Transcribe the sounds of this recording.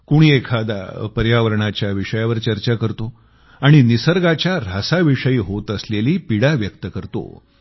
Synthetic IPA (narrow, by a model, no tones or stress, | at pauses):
kuɽ̃iekʰad̪a̰pəɾjaʋəɾɳat͡ɕjaʋiʂəjaʋəɾt͡ɕəɾt͡ɕakəɾt̪o | aɽ̃inisəɾɡat͡ɕjaɾ̤asaʋiʂəiːɦot̪əsleliːpiɽaʋjək̚t̪əkəɾt̪o̰